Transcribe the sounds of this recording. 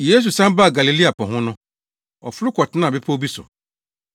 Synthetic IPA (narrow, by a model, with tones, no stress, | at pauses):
je˦s̬u˨sã˦m˦ba˦˨ɡa˨li˨li˦a˨pʰɔ̃˨ɦʊ̃˦nʊ̃˦ | ɔ̰˨fʊ˦ɾʊ˦kʰɔ˨tʰɪ˦nã˦˨bɪ˦pʰa˦o˦bi˦sʊ̰˨